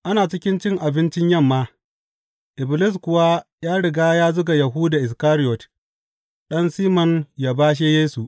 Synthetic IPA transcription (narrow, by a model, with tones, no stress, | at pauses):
ʔa˦naː˨t͡ʃɪ˦kʲɪ˦nt͡ʃɪ˦˨ŋʔa˨bɪ˦nt͡ʃɪ˦ɲjɐ˦˨mːaː˦ | ʔɪ˨blɪ˦s̬kʊ˨wa˦ | jaː˦ɽɪ˨ɡaː˦jaː˦zʊ˦ɡa˨jɐ˨ɦuː˦daː˨ʔɪ˨s̬kaː˦ɾɪ˦jɔ˨t | ɗɐ˦nsiː˦mɔ˨njaː˨˦baː˦ʃ̬eː˦jeː˦su˨ʔ